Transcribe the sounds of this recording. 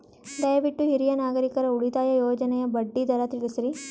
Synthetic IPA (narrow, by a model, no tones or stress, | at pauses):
d̪ɐjɐʋiʈːuɦiɾijɐnaːɡɐɾikɐɾɐuɭit̪aːjɐjoːd͡ʒɐnɐjɐbɐɖːid̪ɐɾɐt̪ilisɐɾi